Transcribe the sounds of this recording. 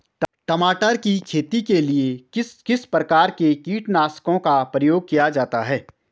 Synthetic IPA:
ʈɐmaːʈəɾkikʰeːt̪ikelieɪskɪspɾəkaːɾkekiːʈnaːskõkapɾəjoːɡ̚kijad͡ʒaːt̪aɦɛː

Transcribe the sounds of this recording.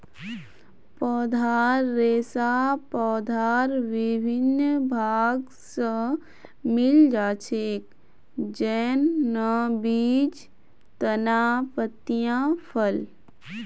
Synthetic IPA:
pɔːd̪ʱaːɾːeːsapɔːd̪ʱaːɾʋɪbʱɪnbʱaːɡ | sə | mɪld͡ʒaːt͡ʃʰeːk | d͡ʒɛːnːəbiːd͡ʒ | t̪ənaːpət̪ijãpʰəl

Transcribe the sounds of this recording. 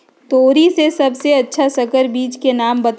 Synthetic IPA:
t̪oːɾisesɐbseɐtːʃʰasɐkəɾbiːt͡ʃkenaːmbɐt̪

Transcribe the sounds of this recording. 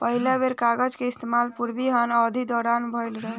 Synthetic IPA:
pəɦilabeɾkaɡəd͡ʒkeist̪emalpuɾbiɦənɔd̪ʱid̪ɔɾanbʱəjlɡel

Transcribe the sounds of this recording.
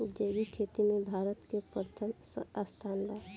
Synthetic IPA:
d͡ʒeːʋikʰeːt̪imẽbʱaːɾət̪kepɾət̪ʰəmast̪ʰaːnlaː

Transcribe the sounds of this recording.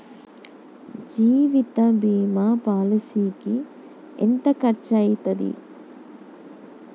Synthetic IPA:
d͡ʒiːʋit̪ɐbiːmapaːlɐsiːki | ḛnt̪ɐkɐɾt͡ʃɐjt̪ɐd̪ḭ

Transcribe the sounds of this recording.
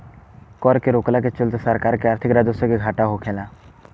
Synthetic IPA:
kɔɾkeɾoːklaket͡ʃʊlt̪səɾkaːɾkeaːɾt̪ʰɪkɾaːd̪ʊsokeɡʱaːʈaɦokʰeːlãː

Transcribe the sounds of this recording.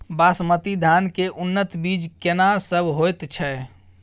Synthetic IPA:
basmət̪id̪ʱankeʔunːət̪bid͡ʒkenasəbʱɦojt̪t͡ʃʰɛ

